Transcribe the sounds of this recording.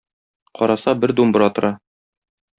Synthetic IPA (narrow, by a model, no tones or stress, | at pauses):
qɒɾɑsɑbɘɾd̪umb̆ɾɑt̪ŏɾɑ